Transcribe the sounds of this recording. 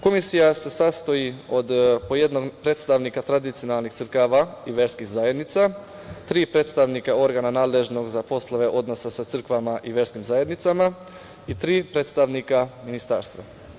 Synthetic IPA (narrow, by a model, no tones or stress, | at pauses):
ko̞misijase̞sast̪ojio̞d̪poje̞d̪no̞ɡpɾeːt̪st̪aʋnikat̪ɾad̪it̪sijo̞nalˠnixt̪sɨr̩kaʋaiʋeɾskixzaje̞d̪nit̪sa | t̪ɾiːpɾe̞t̪st̪aʋnikao̞ɾɡananaːd̪le̞ʒno̞ɡzapo̞slˠoʋe̞ʔo̞d̪no̞sasat̪sɨrkʋamaʔiʋe̞ɾskimzaje̞d̪nit̪sama | it̪ɾiːpɾe̞ːt̪st̪aʋnikaminist̪a̰ːɾst̪ʋa̰